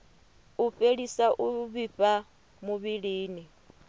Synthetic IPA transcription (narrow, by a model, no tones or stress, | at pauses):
uɸeɺisaʔuβiɸa | muβiɺiːni